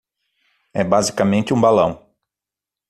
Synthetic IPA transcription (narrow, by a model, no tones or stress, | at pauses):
ɛbazikɐmẽnt͡ʃ̪ɪũbalɐ̃w̃